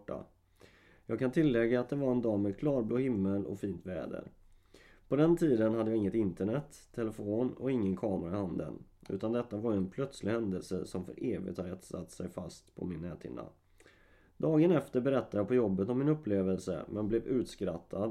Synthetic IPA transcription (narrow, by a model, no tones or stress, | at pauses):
ʈːa̰ | jɑːɡ̚kʰant̪ʰɪlːɛɡːaːt̪̚d̪ɛvaɾɛnd̪ɑːmɛkʰlɑːɾbloːhɪmːəlɔ̰fiːnt̪vɛ̰ːd̪ə̰ɾ | pʰɔd̪ɛnt̪ʰiːd̪ənhad̪əjːɡɪŋːət̪ɪnt̪əɳɛt̪ʰːɛlɛfoːnɔ̰ɪŋːənkʰɑːmɾaɪhand̪ə̰nʉ̟̰ːt̪and̪ɛt̪ːavaɾjɛnpʰlœt̪slɪhɛnd̪əlsə̰sɔmfœ̰ɾʔeːvɪ̰t̪ʰhaɾɛt̪sat̪ːsɛ̰jfast̪pʰɔ̰mɪnːɛːt̪ʰɪ̰nd̪a̰ | d̪̥ɑːɡənɛft̪əɾbɛɾɛt̪ːajɑːpʰɔjɔbːət̪ɔmːɪnɵpːleːvəlsə̰mʔɛnblɛːvʉ̟ːt̪skɾat̪ʰːad̪